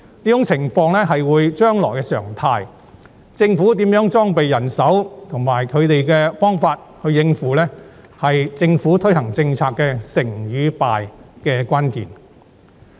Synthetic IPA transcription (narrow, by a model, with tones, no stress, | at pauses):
niː˥˩ʊ˧˥ŋt͡sʰɪ˨˩ŋfɔː˧ŋlɛ˥ɦɐ˨jwuː˨˧˥jt͡ʃœː˥ŋlɔː˨˩jkɛ˧sœː˨˩ŋt̪ʰaː˧j | t͡sɪ˧ŋfuː˨˥t̪iː˨˥mjœː˨˥ŋt͡ʃɔː˥ŋpe˨jːɐ˨˩nsɐ˨˥wt̪ʰʊ˨˩ŋmaː˨˩jkʰɵ˨˧ɥt̪e˨jkɛː˧fɔː˥ŋfaː˧t̚hɵ˧ɥjɪ˧ŋfuː˨˩lɛ˥ | hɐ˨jt͡sɪ˧ŋfuː˨˥t̪ʰɵ˥jhɐ˨˩ŋt͡sɪ˧ŋt͡sʰaː˧kːɛː˧sɪ˨˩ŋjyː˨˧pa̰ː˨jkɛː˧kʷaː˥nkḭː˨n